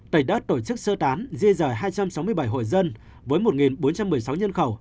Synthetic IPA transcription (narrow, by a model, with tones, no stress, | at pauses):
t̪ə˨˩ɗə˦˥t̚t̪o˧˩t͡ɕɨ˦˥k̚səː˧t̪aː˨˦nzi˧zəː˧˨˩jɦaː˧jt͡ɕa˧msa˨˦wmɨ˧əjɓa˧˩jɦo̰˧˨jzə˧n | vəː˨˦jmo˨˩t̚ŋi˨˩nɓo˨˦nt͡ɕa˧mːɨ˨˩əjsa˨˦wɲə˧nxə˧˩w